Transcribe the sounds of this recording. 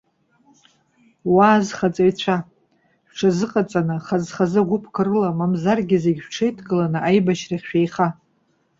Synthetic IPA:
waːzχat͡sʼajt͡ɕʷʰa | ʃʷᶣʈ͡ʂʰazɨqʼat͡sʼanɨχazχazɨʁʷʊpʰkʰɨrɨlamamzarɡʲɪzeɡʲʃʷᶣʈ͡ʂʰejtʰɡʼɨlanɨʔajbaʃraχʲʃᶣejχa

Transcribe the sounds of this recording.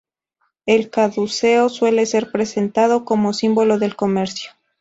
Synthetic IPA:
e̞lkaðuseo̞swe̞le̞se̞ɾpɾe̞se̞nt̪að̞o̞ko̞mo̞simbo̞lo̞ðe̞lko̞me̞ɾsjo

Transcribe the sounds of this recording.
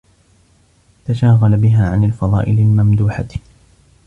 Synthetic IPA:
t̪aʃaːɣalabɪɦaːʕanalfɑðˤɑ̰ːʔɪlalmamd̪uːħa

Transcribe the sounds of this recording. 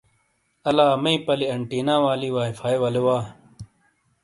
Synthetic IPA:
ɐlaːmɐĩpɐliɐɳʈiːnãːwaːliːwaːifʰaːjwɐlewaː

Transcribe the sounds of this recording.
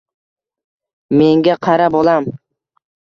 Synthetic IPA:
me̞ŋɡʲaqʰɑɾabolˠam

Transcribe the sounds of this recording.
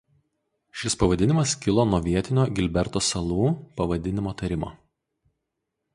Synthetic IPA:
ʃʲɪspɐʋɐd̪ʲɪnʲɪmɐskʲɪlˠoːnuɔʋʲiɛt̪ʲɪnʲoːɡʲɪlʲbʲɛɾt̪oːsɐlˠuːpɐʋɐd̪ʲɪnʲɪmoːt̪ɐɾʲɪmo̰ː

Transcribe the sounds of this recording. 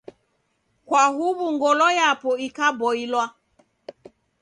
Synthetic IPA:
kwaɦubuŋɡɔlɔjapɔikabɔilwa

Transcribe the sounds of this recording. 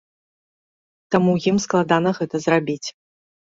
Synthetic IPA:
t̪amujimsklˠad̪anɐɣɛt̪ɐzrabʲit͡sʲ

